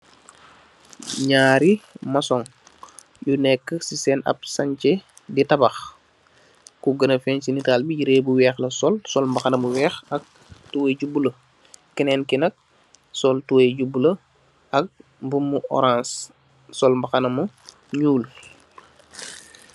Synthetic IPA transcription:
ɲaːɾimasɔŋ | junɛkːəsisɛnɐ̰p̚saɲt͡ʃe | ditabɐx | kuɡɐnəfɛnsinitaːlbiɟiɾeːbuwɛːxlɐsɔlsɔlmbaxanɐmuwɛːxɐk̚ | tuweɟubulə | kɛnɛnkinɐk̚ | sɔltuweɟubulə | ɐk̚mbumːuʔɔ̰ɾãns | sɔlmbaxanɐmu | ɲuːl

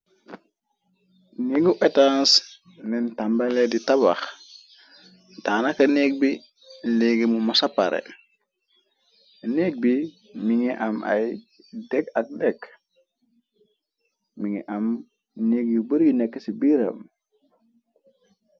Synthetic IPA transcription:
niɡuʔetans | nɛntambaleditaβa̰x | taːnakɐneːk̚bi | leɡemumosapa̰ɾʔḛ | nek̚bi | miŋiʔama̰j | dekak̚dek | miŋḭʔam | neɡjubəɾjunekːesibiɾə̰m

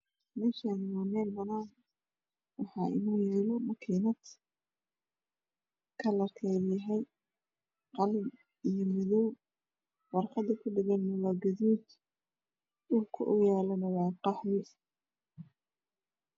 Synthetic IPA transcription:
mɛːʃaːnɪwɑːmɛːlbɐnaːn | wɑħɑːʔɪ̰nuːjɛːlɔmɐkʰiːnɐt̪ | kʰɐlɐrkʰɛːjɐɦɛj | qɑl | ijɔmɪðɔw | wɑrqɑd̪ɐkʰʊɖɪɣɐnmʊlaɡɐðuːt̪ | ʊlkʰɐʔʊjaːlɐnɐwɑːqɑħðɪ

